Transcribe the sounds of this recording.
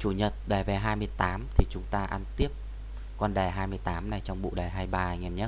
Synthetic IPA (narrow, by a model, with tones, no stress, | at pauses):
t͡ɕu˧˩ɲə˨˩t̚ɗaː˨˩vɛ˨˩ɦaː˧jmɨ˧əjt̪aː˨˦mt̪ʰi˨˩t͡ɕʊ˨˦ŋ͡mt̪aː˧ʔa˧nt̪i˦˥əp̚ | kwa˧nɗa˨˩ɦaː˧jmɨ˧əjt̪aː˨˦mna˨˩jt͡ɕɔ˧wŋ͡mɓṵ˧˨ɗa˨˩ɦaː˧jɓaː˧ŋɛ˨˧˩mɲə˦˥